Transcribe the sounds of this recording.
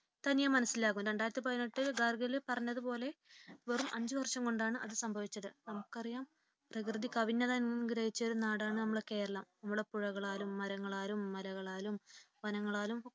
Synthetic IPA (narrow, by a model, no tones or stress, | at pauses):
t̪ɐnijɐmɐnɐsːilaːkːumdɐɳɖaːjɾɐt̪ːɨp̬ɐðɐnːiʈːɨɡarɡɐlepɐrɐɲːɐðupo̞ːle̞ʋerumʔɐɲd͡ʑɨʋɐrʂɐmko̞ɳɖaːɳɨʔɐðɨsɐmbʱɐʋit͡ɕːɐðɨnɐmukːɐrijaːm | prɐkrɨðikɐʋinːɐðaːjnɡiɾɐjit͡ɕːɐo̞ɾunaːɽaːɳɨnɐmːuɭekːe̞ːjɾɐɭɐmnɐmːuɽe̞puɻɐɣɐɭaːlumːɐɾɐŋːɐɭaːlumːɐlɐɣɐɭaːlumʋɐnɐŋːɐɭaːlum